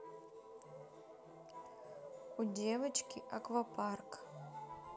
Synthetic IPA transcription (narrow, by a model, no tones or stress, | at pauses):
udʲevɐt͡ʃkʲɪʔɐkvɐpʰark